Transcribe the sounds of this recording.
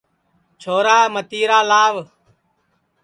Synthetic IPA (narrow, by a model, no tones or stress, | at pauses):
t͡ʃʰoːɾaːmət̪iːɾaːlaːʋ